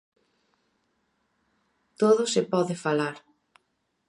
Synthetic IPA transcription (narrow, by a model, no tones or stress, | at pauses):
t̪oðʊsepɔðɪfalaɾ